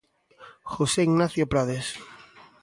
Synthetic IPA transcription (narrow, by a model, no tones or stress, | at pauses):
xoseiɣnaθjopɾaðes